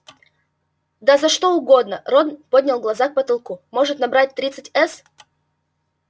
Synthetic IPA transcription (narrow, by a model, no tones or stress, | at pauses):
d̪azɐʂt̪o̞ʊɡo̞d̪nəɾod̪npodʲnʲɪlˠɡlˠɐzak̚pət̪ɐlˠkumo̞ʐɨt̪nɐbɾat̚ʲt̪ɾʲit̪sɨtʲɛs